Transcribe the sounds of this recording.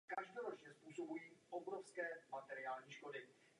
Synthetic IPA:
kaʒdoɾot͡ʃɲɛspuːso̞bujiːʔobɾofskɛːmat̪ɛɾɪaːlɲiːʃko̞dɪ

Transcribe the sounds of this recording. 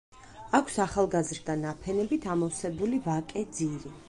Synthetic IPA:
akʷʰsaχalˠɡazɾd̪anapʰɛnɛbit̪ʰamɔsɛbulivakʼɛd̪ziɾi

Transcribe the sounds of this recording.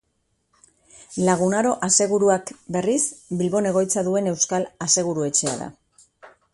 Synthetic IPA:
laɣ̞unaɾo̞ʔase̞ɣ̞uɾuakbe̞risbilβo̞ne̞ɣ̞o̞jt͡saðue̞ne̞wskalase̞ɣ̞uɾue̞t͡ʃe̞a̰ða̰

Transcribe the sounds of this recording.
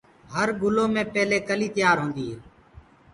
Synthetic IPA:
ɦəɾɡʊloːmẽːpɛːleːkəliːt̪ɪjaːɾɦõːnd̪iːɦeː

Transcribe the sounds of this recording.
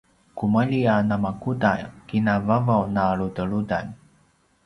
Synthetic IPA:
kuməʎianamakudajkinavavawnaɭudəɭuda̰n

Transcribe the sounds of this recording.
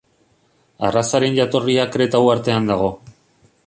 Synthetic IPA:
a̰rasaɾe̞nʝat̪o̞riakɾe̞t̪awaɾt̪e̞and̪aɣ̞o̞

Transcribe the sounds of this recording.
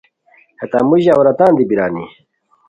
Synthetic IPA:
het̪a̰ːmuʑawɾɐt̪aːnd̪ibiɾaːnḭ

